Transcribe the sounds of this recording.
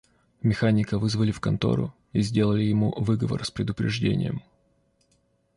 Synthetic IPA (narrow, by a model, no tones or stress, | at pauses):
mʲɪxanʲɪkəvɨzvəlʲɪfkɐnt̪o̞̰ɾʊ̰ | izʲdʲe̞lˠəlʲɪjɪmuvɨɡəvə̰rspɾʲɪd̪ʊpɾʲɪʐdʲḛnʲɪ̰jə̰m